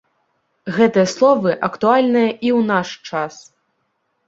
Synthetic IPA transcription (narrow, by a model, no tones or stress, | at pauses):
ɣɛt̪ɨjɐslˠɔvɨʔɐkt̪ualʲnɨjɐʔiwnaʂt͡ʂas